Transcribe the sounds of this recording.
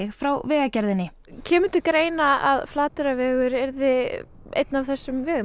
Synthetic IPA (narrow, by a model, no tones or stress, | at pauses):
ɪxfɾawvɛːɣacɛɾðɪnːɪ | cʰɛːmʏnt̪ʏkɾeːjnaa̰ðflaːt̪ʏɾavɛːɣʏɾɛɾðɪ | ḛjt̪navθɛsːʏmvɛːɣʏ